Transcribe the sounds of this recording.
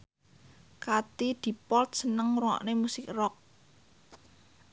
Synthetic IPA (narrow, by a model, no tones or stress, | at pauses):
kat̪id̪̥i̤pɔlt̪̚sənəŋruɔ̰ʔnemusɪk̚rɔk̚